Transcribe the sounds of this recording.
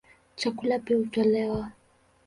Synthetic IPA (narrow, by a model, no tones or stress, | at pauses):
t͡ʃakulapɛutalɛwa